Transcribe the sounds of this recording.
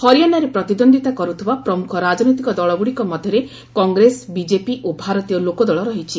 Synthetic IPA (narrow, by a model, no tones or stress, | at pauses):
hɔɾijanaɾepɾɔt̪id̪ond̪ʱit̪akɔɾut̪ʰibapɾɔmukʰɔɾad͡ʒɔnojt̪ikɔd̪ɔɭɔbuɽikɔmɔd̪ʱjɔɾe | kɔŋɡɾesbid͡ʒepiʔobʱaɾɔt̪ijɔlokɔd̪ɔɭɔɾɔɦit͡ʃʰi